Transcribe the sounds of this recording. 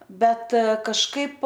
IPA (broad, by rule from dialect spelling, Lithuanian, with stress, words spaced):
ˈbʲɛt kɐʃˈkɐɪp